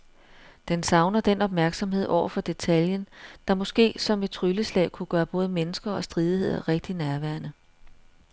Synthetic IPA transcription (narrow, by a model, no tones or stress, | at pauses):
d̥ensɑ̈ʊnɐd̥enɒ̽b̥̚mæɐɡ̥sɒ̽mhe̝ð̞̰ˠɒʊ̰ɐfɒ̽d̥e̝t͡sʰæljənd̥ɑ̈mɒ̽sɡ̥e̝̰ːsɒ̽me̝d̥̚t͡sʰʁyləslɛ̰ːkʰuɡ̥ɶːɐb̥ɔ̽ːðˠəmenəsɡ̥ɐɒ̽sd̥ʁiːð̞ˠie̝ð̰ˠɐʁeɡ̥̚d̥inæɐʋæɐnə